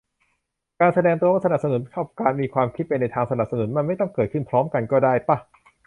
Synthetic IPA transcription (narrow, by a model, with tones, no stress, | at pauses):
kaː˧nsa˧dɛː˧ŋt̪u˧waː˥˩sa˧na˨˩p̚sa˧nu˩˦nkʰa˥˩pkaː˧nmiː˧kʰwaː˧mkʰi˦˥t̪̚pa˧nːa˧jt̪ʰaː˧ŋsa˧na˨˩p̚sa˧nu˩˦nma˧nma˥˩jt̪ɔ˥˩ŋkɤː˨˩t̪̚kʰɯ˥˩npʰɾɔː˦˥mka˧nkɔː˥˩daː˥˩jpa˧˩